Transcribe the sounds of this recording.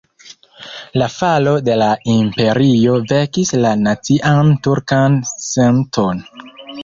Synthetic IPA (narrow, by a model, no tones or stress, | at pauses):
lafalo̞de̞laimpe̞ɾio̞ve̞kislanat͡siʔantuɾkanse̞ntʰo̞n